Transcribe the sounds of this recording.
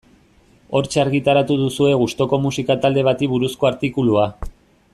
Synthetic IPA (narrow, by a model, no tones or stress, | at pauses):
o̞ɾt͡ʃaɾɣit̪aɾat̪uð̞usue̞ɣust̪o̞ko̞musikat̪ald̪e̞β̞at̪iβuɾusko̞aɾt̪ikulua